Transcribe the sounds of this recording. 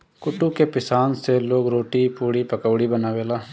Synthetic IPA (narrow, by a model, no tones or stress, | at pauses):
kʊʈukepɪsaːnseloːɡɾoːʈipuːɽipɐkəʋɽibənaːʋeːlaː